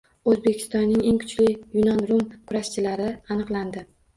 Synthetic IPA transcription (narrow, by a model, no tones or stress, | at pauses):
ɵzbe̞kʲʰɪ̥st̪ɒnːɪŋe̞ŋkʰʊ̥t͡ʃlɪjʊnɒnɾʊmkʰʊɾaʃt͡ʃʰɪlaɾɪanɨqlˠand̪ɪ